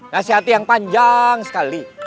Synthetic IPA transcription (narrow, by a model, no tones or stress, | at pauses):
nasiɦat̪ijaŋpaɲd͡ʒaŋsə̥kali